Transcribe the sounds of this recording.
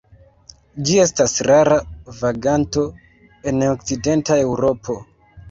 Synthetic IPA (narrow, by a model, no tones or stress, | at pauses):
d͡ʒie̞stasɾaɾavaɡanto̞ | e̞nok̚t͡side̞ntae̞wɾo̞pʰo̞